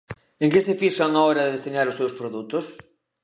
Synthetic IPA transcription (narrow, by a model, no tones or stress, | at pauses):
ẽŋkɪsɪfiʃɐŋaɔɾɐðɪðeseɲaɾʊsewspɾoðut̪ʊs